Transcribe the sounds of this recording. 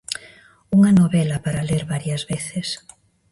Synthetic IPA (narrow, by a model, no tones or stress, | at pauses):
uŋɐnoβɛlɐpaɾaleɾβaɾjɐzβeθes